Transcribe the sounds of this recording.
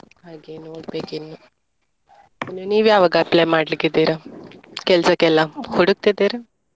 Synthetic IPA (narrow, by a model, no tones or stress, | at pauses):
ɦaːɡeːnoːɽbeːkinːu | inːuniːʋjaːʋɐɡapleːmaːɖliɡid̪iːɾɐkɛlsɐkɛlːɐhuɽuk̚t̪id̪iɾɐ